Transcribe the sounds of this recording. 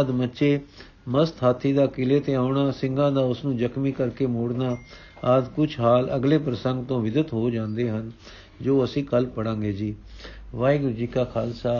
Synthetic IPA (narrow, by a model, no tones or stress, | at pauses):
d̪mətːʃeː | məst̪ʰɦaːt̪ʰiːd̪aːkɪleːt̪eːaːʊɳaːsɪŋɡãːd̪aːʊsnũːd͡ʒəkʰmiːkəɾkeːmoːɽnaː | ad̪kʊt͡ʃɦaːlə̰ɡleːpɾəsəŋɡt̪õːʋɪd̪ət̪ɦoːd͡ʒãːnd̪eːɦən | d͡ʒoːəsĩːkəlpəɽãːɡeːd͡ʒiːʋaːiɡʊɾd͡ʒiːkaːkʰaːlsaː